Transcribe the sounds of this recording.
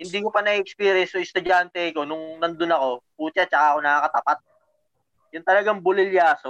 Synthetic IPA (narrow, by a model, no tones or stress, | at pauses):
hɪnd̪iːkopɐnɐiʔɛkspiːɾjɛnsʊɪst̪ʊd͡ʒant̪ɛkonʊŋnɐnd̪onɐko̞puːt͡ʃat͡ʃɐkaɐko̞nɐkakɐt̪ɐpat̪̚ | jʊnt̪ɐlɐɡaŋbʊlɪljaːso